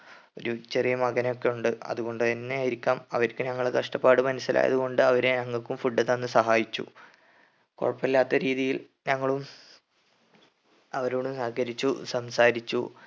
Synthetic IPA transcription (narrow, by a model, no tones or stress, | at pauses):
o̞̰ɾut͡ɕe̞rijɐmɐɣɐnjo̞kːe̞juɳɖɨɐ̰ðuɣo̞ɳɖɨenːeaːjiɾikʲːaːmɐ̰ʋɐɾkːɨɲɐŋːɐɭekɐʂʈɐpːaːɽɨmɐnusːilʔa̰ːjɐ̰ðuɣo̞ɳɖɨɐʋɐɾenɐŋːɐɭkːumfuɖːɐðenːɨsɐɦaːjit͡ɕːṵ | ko̰ɻɐpːilːaːt̪ːɐɾiːðijil | ɲɐŋːɐɭum | ɐʋɐɾoːɽumsɐɡɐɾit͡ɕːṵsɐmsaːɾit͡ɕːṵ